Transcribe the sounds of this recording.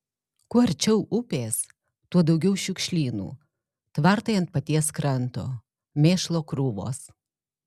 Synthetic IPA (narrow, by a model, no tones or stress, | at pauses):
kʊɐɾʲt͡ʃʲɛʊʔʊpʲeːs | t̪uɔd̪ɐʊɡʲɛʊʃʲʊkʃʲlʲiːnṵː | t̪ʋɐɾt̪ɐɪɐnt̪̚pɐt̪ʲiɛskɾɐnt̪oː | mʲeːʃlˠoːkɾuːʋo̰ːs